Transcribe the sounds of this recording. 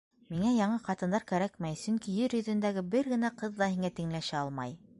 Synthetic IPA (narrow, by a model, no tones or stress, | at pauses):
miŋæjɑɴɤqɑt̪ɤ̆nd̪ɑɾkæɾækmæjsɵŋkijɘɾjɵ̆ðɵ̆nd̪æɡɘbɘɾɡɘ̆næqɤðːɑhiŋæt̪ĭŋlæʃæɑlˠmɑ̰j